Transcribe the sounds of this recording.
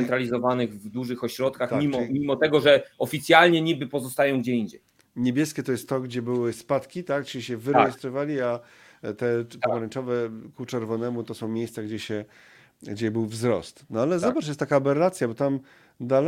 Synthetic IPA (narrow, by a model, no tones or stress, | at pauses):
ɛnt̪ɾalʲizɔvanɘɣvd̪uʐɘxɔɕɾɔt̪̚kaxt̪mmimɔmʲimɔt̪ɛɡɔʐɛɔfʲit̪sʲjalɲɛɲibɘpɔzɔst̪ajɔ̃w̃ɡd͡ʑɛiɲd͡ʑɛj | ɲebʲjɛskʲɛt̪ɔjɛst̪ːɔɡd͡ʑɛbɘwɘspat̪kʲit̪akʈ͡ʂɘiɕɛvɘɾɛjɛst̪ɾɔvalʲia | t̪ɛp̪aɔɾɛɲt͡ʂɔvɛkut͡ʂɛɾvɔnɛmut̪ɔsɔ̃w̃mʲejst̪saɡd͡ʑɛɕɛ | ɡd͡ʑɛbɘwvzɾɔ̰st̪nɔalɛzɔbaʈ͡ʂjɛst̪t̪akabɛɾlat̪sʲjabɔt̪am | d̪al